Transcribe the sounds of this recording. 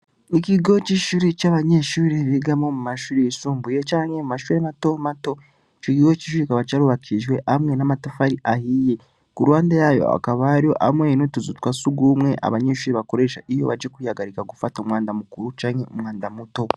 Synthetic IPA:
ikiɡo̞ciʃuɾit͡ʃaβaɲe̞ːʃuːɾiβiɡamomumaʃuːɾisuːmbuje̞t͡ʃaːŋhe̞mumaʃuɾemato̞mato̞ | cikiɡo̞ciʃuːɾikaβat͡ʃaɾuβakʰiʒɡwe̞ʔamwe̞namatofaɾiʔahije̞ | kuɾwaːndajajo̰a̰kaβaɾjoʔa̰mwenotuzutkwasuɡuːmŋe̞ʔa̰βaɲe̞ːʃuːɾiβako̞ɾe̞ːʃaʔijo̞̰βad͡ʒekuijaɡaɾikaɡufatomwŋaːndamukuɾut͡ʃaːŋheo̰mŋaːndamuto̞

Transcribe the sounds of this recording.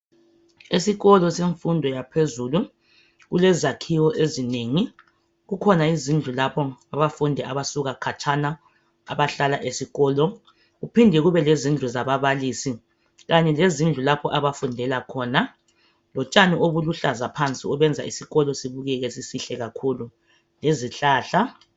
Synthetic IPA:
esiɣɔlɔseɱfundʱɔjapʰezulu | ɣulɛzakʰiwɔʔezineŋi | ɣukʰɔnaizind͡ɮʱulapʰɔaβafundʱɛaβasuɣakʰat͡ʃʰʼana | a̰βaɬalaʔesiɣɔːlɔ | ɣupʰindʱɛɣuβɛlezind͡ɮʱuzaβaβalisi | ɣaɲɛlezind͡ɮʱulapʰɔʔaβafundʱɛlakʰɔːna | lɔt͡ʃʼanioβuluɬazapʰant͡sʼḭɔβɛnd͡zʱa̰isiɣɔlɔsiβuɣɛɣɛsisiɬɛɣakʰuːlu | leziɬaːɬa

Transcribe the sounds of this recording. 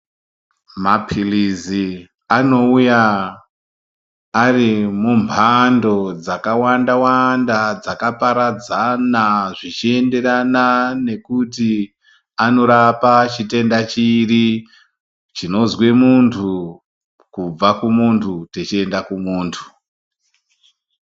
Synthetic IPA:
mapʰilizi | ano̞uja | rimumpʰando̞d͡zakawandawandad͡zakapaɾad͡zanaʐit͡ʃie̞nde̞ɾanane̞kuti | ano̞ɾapat͡ʃite̞ndat͡ʃiri | t͡ʃino̞zwe̞muntʰu | kub͡vakumuntʰutet͡ʃie̞ndakumuːntʰu̥

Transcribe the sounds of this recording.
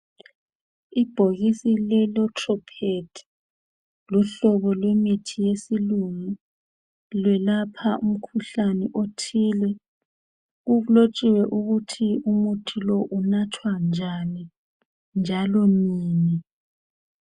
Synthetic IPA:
ib̥ʱoɣisilɛlɔtʰʼrɔpʰed̥ʰʱi̥ | luɬɔβɔlwemitʰijesiluŋi | lwɛlapʰaʔum̩kʰuɬanɛʔotʰilɛ | ɣuβulot͡ʃʼiwɛʔuɣutʰiumutʰilɔʔunatʰwand͡ʒʱani | nd͡ʒʱalɔniːni

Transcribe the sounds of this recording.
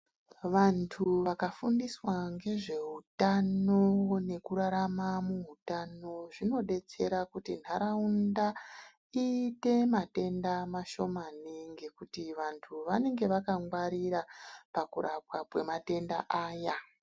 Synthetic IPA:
ʋantʰuʋakafundiswaŋɡe̞ʐe̞utanone̞kuɾaɾamamuutano̞ʐino̞ɗe̞t͡se̞ɾakutin̤aɾaunda | iːte̞mate̞ndamaʃo̞maniŋɡe̞kutiʋantʰuʋane̞ŋɡe̞ʋakaŋɡwaɾiɾapakuɾap̚wapwe̞mate̞nda̰ʔaːja

